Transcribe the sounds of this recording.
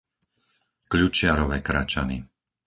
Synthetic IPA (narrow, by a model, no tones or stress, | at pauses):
kʎut͡ʃɪaɾɔʋɛːkɾa̰ːt͡ʃanḭ